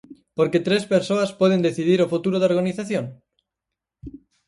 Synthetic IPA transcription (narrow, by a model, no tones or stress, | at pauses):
poɾket̪ɾespeɾsoaspwoð̞end̪eθiðiɾofut̪uɾoðaoɾɣaniθaθjõŋ